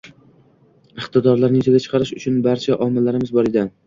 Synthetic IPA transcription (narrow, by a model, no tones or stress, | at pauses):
ɪχt̪ɪd̪ɒɾlaɾnɪt̪ʰeɡʲat͡ʃʰɨ̥qʰɑɾɪʃʊt͡ʃʰʊnbaɾt͡ʃʰaʔɒmɪlːaɾɪmɪzbɒɾɪd̪a